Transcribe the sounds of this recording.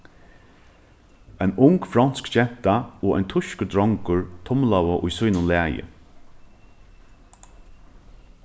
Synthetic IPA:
ɛjnʊŋkfɾɔnskʃɛn̥t̪aɔːʔa̰jnt̪ʰʊʃkəd̪ɾɔŋkʊɹt̪ʰɔmlawəʔʊ̰jsujnʊnlæːjə̰

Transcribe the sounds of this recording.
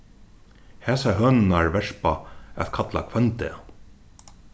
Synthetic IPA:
hɛːsaɦœːnɪnaɹvɛʂpaɛ̰ðkʰat̪la̰kʰvœnt̪ɛ

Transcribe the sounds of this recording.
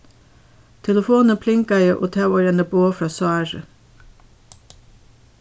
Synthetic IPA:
t̪ʰɛləfoːnəpʰlɪŋkɑjəʔo̰ːt̪ʰɑɑɾɛnəboːfɾɑːsɑːɾə̰

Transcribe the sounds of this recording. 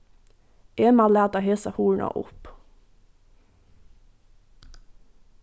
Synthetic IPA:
ʔeːmɑlæːʁt̪ɑheːsəhuːɳɑ̰ʔʊ̰p

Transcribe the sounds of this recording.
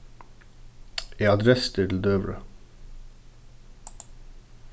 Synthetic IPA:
eːɑd̪ɾɛst̪ʰɪd̪l̩d̪øːʋɹə̰

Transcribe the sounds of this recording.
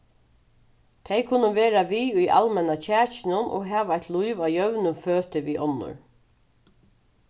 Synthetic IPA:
t̪ʰɛjkʰʊnːəʋeːɾaʋiːʊjʔa̰lmɛnat͡ɕʰæːt͡ʃɪnʊnʔo̰ːɡɦæːʋajt̪luɪʋaːjœʋnʊføːt̪əʋiːʔɔnːʊ̰ɹ

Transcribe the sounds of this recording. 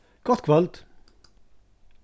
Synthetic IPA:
ɡ̥ɔt̪kʰʋɑlt̪

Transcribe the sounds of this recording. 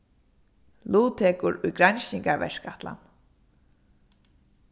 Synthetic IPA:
luːt̪ʰɛːkʊɾʊjɡɾajnɕɪŋkaʋɛ̰ʂkaht̪la̰n

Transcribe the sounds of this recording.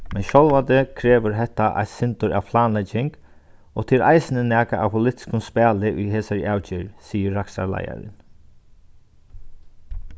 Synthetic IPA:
mɛnʃɔlʋant̪əkʰɾeːʋʊɾɦɛht̪ːaʔa̰jt̪sɪnt̪ʊɾa̰ʋpʰlaːnlɛt͡ʃɪŋk | ɔt̪ʰɪlʔa̰jsɪnənæːkaʔawpʰʊlɪt̪ɪ̥skʊnspæːlɪʔʊjɦeːsaɹaːwt͡ʃɪɹsiːəːaksa̰ɾla̰ja̰ɾɪ̰n

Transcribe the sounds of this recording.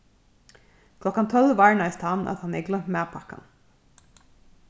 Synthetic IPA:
kʰlɔkːant̪ʰœlʋaɹɳajst̪hanːʔa̰t̪hanɛɹɡlœm̥maːpʰaka̰n

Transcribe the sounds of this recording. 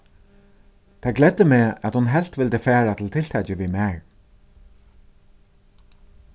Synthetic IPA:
t̪ʰaɡlɛd̪ːəmɛat̪hʊnɦɛl̥t̪ʋɪlt̪əfæːɹat̪ʰɪlt̪ʰɪl̥t̪ʰɛt͡ɕɪʋimæːɹ

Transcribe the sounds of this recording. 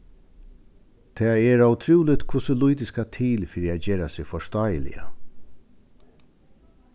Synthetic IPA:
t̪ʰɛːɛɾawt̪ʰɾuːlɪt̪kʰvʊsəlujt̪ɪskat̪ʰiːlfɪːɾɪaːd͡ʒeːɾasɪɣfɔʂt̪aːjəlɪ̰a̰

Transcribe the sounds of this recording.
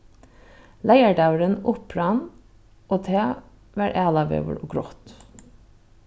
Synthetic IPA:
læɪəɖɑʉɹənʊpɾɑn | ʔoːt̪ʰeː | ʋæːɾʔæːlɑʋḛːʋə̰ɾoːɡɾɔt̪

